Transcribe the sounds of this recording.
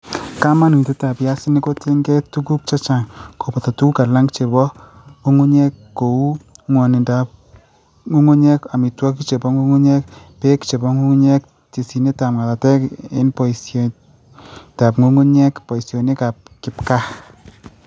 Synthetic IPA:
ka˦ma˦nu˨te˦ta˨pja˦sɪ˦ni˦ko˦te˦ŋɡɛ˦tu˦ku˦k̚t͡ʃa˦t͡ʃa˨ŋko˨pɔ˨ta˨tu˦ka˨la˦ŋɡt͡ʃe˨bɔ˦ | ŋo˦ŋu˦ɲɛ˦kːo˨u˦ŋwɔ˨nɪ˨nda˨p | ŋu˦ŋu˦ɲɛ˦ka˨mi˨twɔ˦ki˦t͡ʃe˨bɔ˦ŋu˦ŋu˦ɲɛ˦k̚ | pe˦kt͡ʃe˨bɔ˦ŋu˦ŋu˦ɲɛ˦k̚ | ti˨si˨ne˦ta˨mka˨ta˨tɛ˦kɪ̰˦npɔ˨i˨s | ta˨pŋo˦ŋu˦ɲɛ˦kpɔ˨i˨sjo˨ni˦ka˨p̚kɪ˨pka˦

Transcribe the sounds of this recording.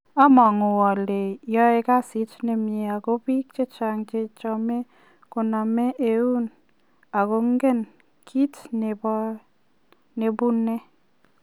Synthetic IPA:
a˦mɔ˨ŋʊ˨wɔ˨le˨jɔ˦e˨ka˦si˨˦tne˨me˨a˨ko˦pi˦k̚t͡ʃe˦t͡ʃa˨ŋt͡ʃe˦t͡ʃɔ˦˧me˦ | kʊ˨na˨me˦ʔe˨u˦n | a˨ko˦ŋɡe˦˨n | kʰi˦tne˨bɔ˦ | ne˨bu˦nːe˦

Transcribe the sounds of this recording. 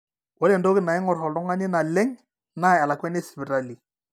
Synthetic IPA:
wɔ˦lɛ˨ndo˦kɪ˦na˨ɪ˦ŋɔ˨ɾhɔ˨lɔ˦ŋa˦ɲɪ˦na˨lɛ˦ŋ | na˦˨a˨la˨kwɛ˦ne˦sbi˨ɾa˦˨li˨

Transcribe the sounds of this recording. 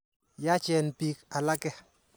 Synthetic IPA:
ja˦t͡ʃɛ˨npi˦ka˨la˦kɛ˦

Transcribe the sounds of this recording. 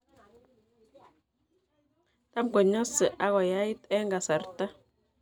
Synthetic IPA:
ta˦mkɔ˨ɲɔ˦sɛ˨ʔa˦ɣɔ˨ja˦i˦tɛ˦ŋɡa˨sa˨ɾta˦

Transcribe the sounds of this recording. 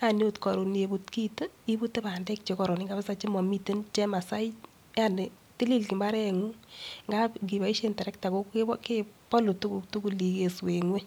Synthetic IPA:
a˨njotkɔ˨ɾu˨ne˨bu˦tki˦tə˦i˦bu˦te˦pa˨ndɛ˦k̚t͡ʃe˨kɔ˨ɾo˨ni˦ŋɡa˦bɪ˦sa˦t͡ʃi˦mɔ˨mi˦te˦nt͡ʃɛ˦ma˨sa˦i˦ | ja˦nɪ˨ | ti˦li˦lki˨mba˦ɾɛ˦ŋu˦ŋɡa˦ɡi˨ba˨i˦ʃentɛ˨ɾɛ˦k̚ta˨ko˦ke˦ke˦pɔ˦lo˨tu˦ku˨ktu˦ku˨li˨ke˨swe˨ŋwe˦

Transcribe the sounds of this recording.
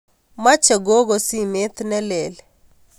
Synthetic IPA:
ma˦t͡ʃe˨ɡo˦ɡo˨si˦me˦t̪nɛ˦lɛ˨lɛ

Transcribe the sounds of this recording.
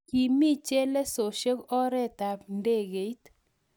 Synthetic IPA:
ki˨mi˦t͡ʃɛ˦lɛ˦so˨ʃe˦kɔ˦ɾɛ˦t̪a˨pnde˦ɡe˨i˦t̪

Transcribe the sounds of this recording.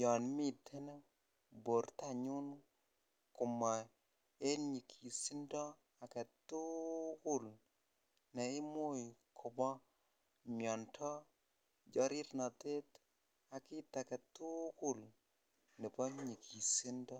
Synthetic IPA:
jɔ˨nmi˦˨tɛ˦n˦ | bo˨ɾta˦˨ɲʊ˦n | kʊ˨mɔ˨ | e˦ɲi˨kʰi˨si˦ndɔ˦ | a˨kɛ˨tu˦kʊ˦˨l | nɛ˨ɪ˦mo˦˨jkʰɔ˨bɔ˦ | mjɔ˨ntʰɔ˦ | d͡ʒɔ˦ɾɪ˦tnɔ˨te˦t | a˨kɪ˦ta˨kɛ˨tu˦kʊ˦l | ne˨pɔ˦ɲi˨kʰi˨si˦ndɔ˦

